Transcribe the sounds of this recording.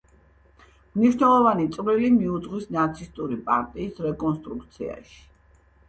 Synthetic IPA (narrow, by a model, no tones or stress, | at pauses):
mniʃnɛlˠɔvanit̪sʼvlilimiud̪zʁwisnat̪sʰist̪ʼuɾipʼa̰ɾt̪ʼiːsɾɛkʼɔnst̪ʼɾukt̪sʰḭa̰ʃi̥